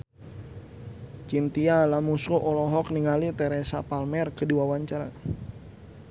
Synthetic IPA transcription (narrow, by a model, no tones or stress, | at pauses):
t͡ʃint̪ialamusɾuʔɔlɔɦɔk̚niŋalit̪ɛɾɛsa̰palmɛrkədiwawaɲt͡ʃaɾa̰